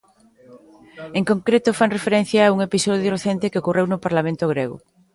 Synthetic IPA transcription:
eŋkõŋkɾet̪ʊfaŋrefeɾen̟θjaːuŋepisɔðjoreθent̪ekeokurewnʊpaɾlamẽnt̪ʊɣ̞ɾeɣʊ̰

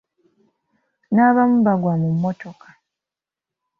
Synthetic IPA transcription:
naːβamuβaɡwamumːoto̞kʰḁ

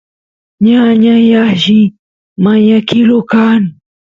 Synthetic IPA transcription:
ɲaɲajaʒi | maɲakilokan

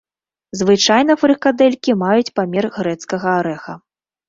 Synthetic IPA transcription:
zvɨt͡ʂajnɐfɾɨkad̪ɛlʲkʲimajut͡sʲpamʲɛrɣɾɛt̪skɐɣɐaɾɛxɐ

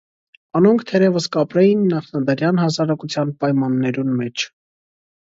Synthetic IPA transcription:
ɑnuŋkʰt̪ʰɛɾɛvəskɑpɾɛjinːɑχnɑd̪əɾjɑnhɑsɑɾɑkut͡sʰjɑnpɑjmɑnːɛɾunmɛt͡ʃʰ

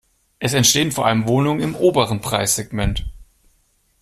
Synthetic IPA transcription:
ʔɛsɛntʃteːənfoːɐʔaləmvoːnʊŋənɪmʔoːbəʁənpʁ̥a̰ɪsz̥ɛɡmɛnt

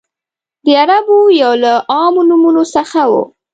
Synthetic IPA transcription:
d̪əaɾabojawlaʔɑmonumunosəxawo̰

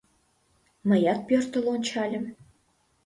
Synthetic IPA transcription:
məjɑt̪̚pørt̪ə̆lont͡ɕɑlʲə̆m

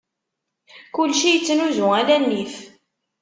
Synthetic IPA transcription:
kʊlʃijət͡sːnuzʊælænːif

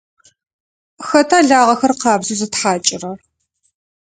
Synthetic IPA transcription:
xɐtʰaːɮaːʁɐxɐrqɑːbzɨzɨtħaːt͡ʃʼɪrɐr

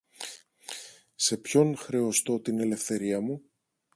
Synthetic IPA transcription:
se̞pço̞nxɾe̞o̞st̪o̞t̪ine̞le̞fθe̞ɾiɐmu

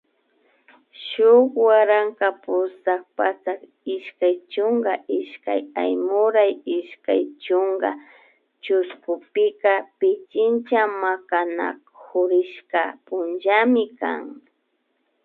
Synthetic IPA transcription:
ʃʊkwaɾaŋkapʊsak̚pat͡sak | ɪʃkajt͡ʃʊŋɡaʔɪʃka̰ja̰jmʊɾajɪʃka̰jt͡ʃʊŋɡa̰ | t͡ʃʊskʊpɪkapɪt͡ʃɪnt͡ʃamakana̰khʊɾɪʃkapʊnʒamɪka̰ŋ

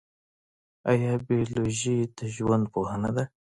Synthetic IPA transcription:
ajɑbioloʒid̪əʒwand̪̚pohənad̪a

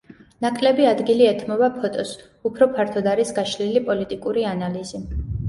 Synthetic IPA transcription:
nakʼlɛbiad̪ɡiliɛt̪ʰmɔbapʰɔt̪ʼɔs | upʰɾɔpʰaɾt̪ʰɔd̪aɾisɡaʃlilipʼɔlit̪ʼikʼuɾianalizi

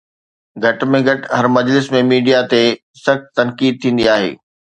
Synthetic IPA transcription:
ɡʱɐʈmẽɡʱɐʈɦɐɾmɐd͡ʑlɪsmẽmiːɖijat̪e | sɐxt̪t̪ɐnkiːd̪̚t̪ʰĩːn̆d̪iaːɦḛː

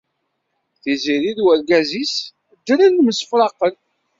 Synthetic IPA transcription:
θiziɾiðwæɾɡæzis | d̪ːəɾənːməsə̥fɾɑqːəl

